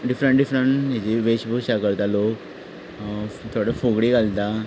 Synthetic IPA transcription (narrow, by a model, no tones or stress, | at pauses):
ɖifɾəɳʈɖifɾəɳʈɦid͡ʑiʋeɕbʱukɕakəɾt̪alok | t̪ʰoɽefoɡɽiɡalt̪a